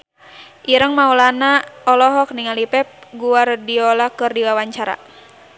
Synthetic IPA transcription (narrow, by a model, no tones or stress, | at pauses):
ʔiɾəŋmaulanaɔlɔɦɔk̚niŋalipɛp̚ɡuardiɔlakɨrdiwawaɲt͡ʃaɾa̰